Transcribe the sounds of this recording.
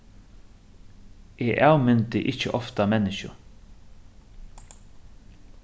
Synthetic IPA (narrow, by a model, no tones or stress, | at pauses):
eːʔawmɪnt̪ɪʔɪt͡ʃːəʔɔft̪amɛnːɪʃʊ̰